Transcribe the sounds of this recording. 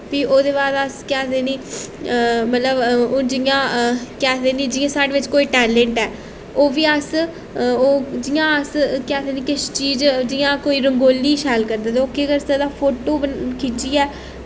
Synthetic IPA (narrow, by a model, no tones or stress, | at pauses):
piːʔoːd̪eːbaːd̪əskɛːd̪eːniː | mət̪ləbd͡ʒɪjãːkɛːd̪eːniːd͡ʒɪjãːsaːɽeːʋɪt͡ʃkoːiːʈɛːlɛ̃ɳʈɛː | oːʋiːəs | oːd͡ʒɪjãːəskɛːt̪eːniːkɪʃt͡ʃiːd͡ʒd͡ʒɪjãːkoːiːɾəŋɡoːliːʃɛːlkəɾd̪aːd̪oːkːeːɡəɾsəd̪aːpʰoːʈoːbəkiːt͡ʃiːɛː